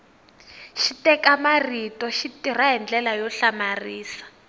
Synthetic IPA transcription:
ʃitɛkamaritɔʃitiraɦɛnd͡ɮɛlajɔɬamariːsḁ

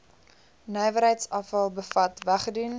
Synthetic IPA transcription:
nœjvəɾɦəjtsɐfɐlˠbəfɐtvæχədʉn

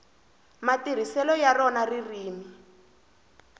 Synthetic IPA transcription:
matir̤isɛlɔjarɔnaririːmi

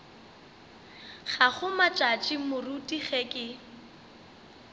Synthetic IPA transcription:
χaχʊmat͡ʃʼat͡ʃʼimʊrutʼiχɛkʼɪ

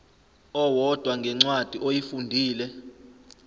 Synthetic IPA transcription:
ɔwɔd̥ʱwaŋɡʱɛŋ͡ǀwad̥ʱiʔojifundʱiːlɛ

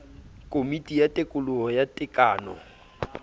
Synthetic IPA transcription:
kʼomitʼijatʼekʼʊlʊɦɔjatʼɪkʼaːnɔ̰

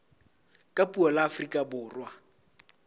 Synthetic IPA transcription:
kʼapʼuɔlaːfrikʼabʊːrwa

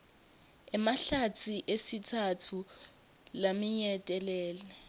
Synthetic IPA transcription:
ɛmaɬatʰiʔesitʰatʰu | lamiɲɛtʼɛlɛːlɛ

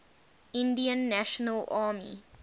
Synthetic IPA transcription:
ɪ̃ndiə̃nːæʃənəlaːmḭ

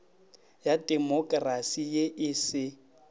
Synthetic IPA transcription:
jadʼɛmɔkʼrasijeʔɪsɪ

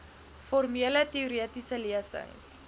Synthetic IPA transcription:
fɔrmiələtiuɾiətisəliəsə̰jns

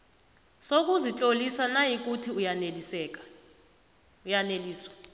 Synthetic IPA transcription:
sok̬ʼuzit͡ɬʼolisanajik̬utʰiujaelɛk̬a | ujaneliːswḁ

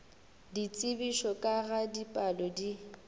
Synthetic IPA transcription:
dit͡sʼɪbiʃɔkʼaɣadipʼalɔdi

